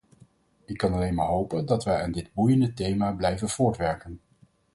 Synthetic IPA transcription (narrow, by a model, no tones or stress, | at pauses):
ɪkːɑnɑlejnmaːɹɦowpəndɑtʋɛjaːndɪd̚bujəndətejmaːblɛjvənv̥ʊːɹtʋɛɹkən